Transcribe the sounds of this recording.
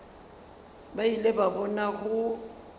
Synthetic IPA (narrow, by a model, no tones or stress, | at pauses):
bailebabɔnaɣʊ